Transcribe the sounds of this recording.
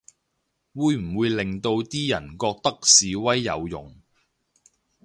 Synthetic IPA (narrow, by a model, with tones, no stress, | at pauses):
wuː˨˧jm̩˨˩wuː˨˧jlɪ˨ŋt̪o˧wt̪iː˥jɐ̰˨˩nkɔː˧k̚t̪ɐ˥k̚siː˨wɐ˥jːɐ̰˨˧wjʊ̰˨˩ŋ